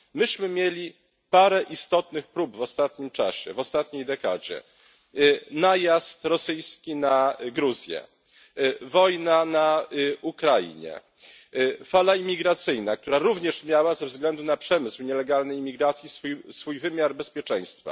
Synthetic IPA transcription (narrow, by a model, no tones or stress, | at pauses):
mɘɕmɘmʲjelʲi | paɾɛʔist̪ɔt̪nɘxpɾubvɔst̪at̪ɲimt͡ʂa̰ɕɛ̰vɔst̪at̪̚ɲejd̪ɛka̰d͡ʑɛ̰ | najast̪ɾɔsɘjskʲinaɡɾuzʲjɛ̰ | vɔjnanaukɾajḭɲɛ̰ | falaimʲiɡɾat̪sɘjnakt̪uɾaɾuvɲɛʂmʲjawazɛvzɡlɛnd̪unapʂɛmɘswɲɛlɛɡalnɛjmʲiɡɾat̪sʲjisfujsfujvɘmʲjaɾbɛspʲjɛt͡ʂɛ̃j̃st̪fa̰